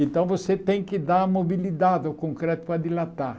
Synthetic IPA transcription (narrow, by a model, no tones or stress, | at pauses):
ẽnt̪ɐ̃w̃voset̪ẽj̃kɪd̪aɾɐmobilid̪ad̪ɪɔkõŋkɾɛt̪ʊ̥pɾɐd̪ilat̪a